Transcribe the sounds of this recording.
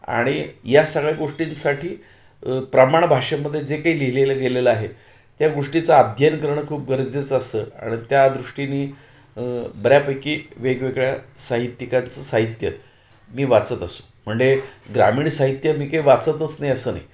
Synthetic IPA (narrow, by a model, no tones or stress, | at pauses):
a̰ɽ̃ijasəɡɭjaɡoʂʈinsaʈʰiː | pɾəmaɳbʱaʂemːəd̪ʱːjed͡zekaiːliɦileləɡeleləaɦe | t̪jaɡoʂʈit͡səad̪ʱjənkəɾɳəkʰuːp̚ɡəɾd͡zet͡səsəa̰ɽ̃it̪jad̪ɾuʂʈiniː | bəɾjapəjkiːʋeɡʋeɡɭjasaɦit̪jikant͡səsaɦit̪jə | miːʋat͡sət̪əsu̥ | m̤əɳd͡zeɡɾa̰miːɳsaɦit̪jəmiːkaiːʋat͡sət̪ət͡snajəsəːna̰ji